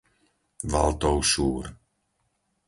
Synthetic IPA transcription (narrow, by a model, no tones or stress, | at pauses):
va̰lˠt̪ɔwʃuːɾ